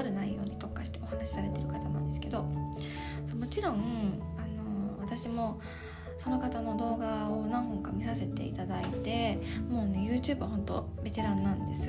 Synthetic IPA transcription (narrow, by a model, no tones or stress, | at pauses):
ɾɯ̟naijːo̞̰ːɲ̟it̪o̞kːaɕi̥t̪e̞o̞hanaɕi̥saɾe̞t̪e̞ɾɯ̟kat̪anãnd̪e̞sɨ̥ke̞d̪o̞ | somo̞t͡ɕiɾõ̞ano̞βat̪aɕimo̞ | so̞no̞kat̪ano̞d̪o̞ːɡaonãɰ̃ɦõ̞ŋkamʲisase̞t̪e̞̰ḭt̪ad̪ait̪e̞mo̞ːne̞jɯ̟ːt͡ɕɨːbɯ̟βahõ̞nt̪o̞̰ɾe̞t̪e̞ɾãnːãnd̪e̞sɨ